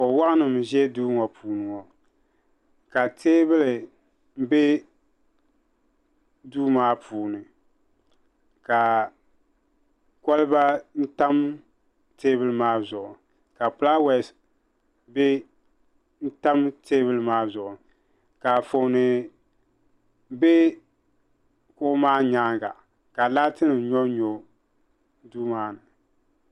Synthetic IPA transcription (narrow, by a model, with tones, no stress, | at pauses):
kɔ˨wa˦ʔnɨ˨mʒɛ˦duː˦ŋɔ˨pʰuː˨nɨ˨ŋɔ˨ | ka˨teː˦bɨ˦lɪ˨ | m̩˦be˦ | duː˦maː˦pʰuː˨nɨ˨ | ka˨ | kɔ˦lɨ˦ba˦n̩˦ta˦m | teː˦bɨ˦lɨ˨maː˦zʊ˨ʔʊ˨ | ka˨pʊ˦la˦wɛ˨s | be˦ | n̩˦ta˦mteː˦bɨ˦lɨ˦maː˦zʊ˨ʔʊ˨ | ka˨fo˨˦nɨ˨ | be˦ | kʊ˦ʔʊ˦maː˦ɲaː˦ŋɡa̰˨ | ka˨la˦tɨ˦nɨ˨ɲɔ˦ɲo˦ | duː˦maː˦nɨ˨